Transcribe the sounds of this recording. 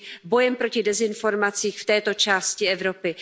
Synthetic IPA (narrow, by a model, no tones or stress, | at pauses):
bo̞jɛmpɾo̞cɪdɛzɪnfo̞ɾmat͡siːxft̪ɛːt̪o̞t͡ʃaːscɪɛvɾo̞pɪ